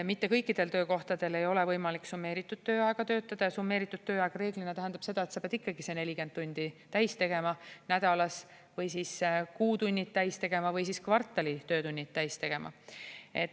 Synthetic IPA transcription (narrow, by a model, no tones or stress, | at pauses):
mit̪ːe̞kɤjkːid̪̥e̞lt̪øːko̞ht̪ɑd̪̥e̞le̞jo̞levɤjmɑlikːsumːe̞ːɾit̪ːˑud̥̪̚t̪ːøːɑeɡ̥ɑt̪ø̞ːt̪ːˑɑd̪̥ɑjɑsumːe̞ːɾit̪ːˑud̪̥̚t̪øːɑɡ̥ɑɾe̞ːɡ̥linet̪æɦend̪ɑpse̞d̪̥ɑet̪sɑpeɑd̪ikːɑɡ̥isene̞lʲike̞nd̪̚t̪ːunʲd̪̥it̪æjst̪e̞ɡ̥e̞mɑnæd̪ɑlɑs | vɤjsiːskuːt̪unʲːit̪ːæjst̪e̞ɡ̥e̞mɑvɤjsiskvɑrt̪ːˑɑlit̪øːt̪unʲːit̪ːæjst̪e̞ɡ̥e̞mʔɑ̰e̞t̪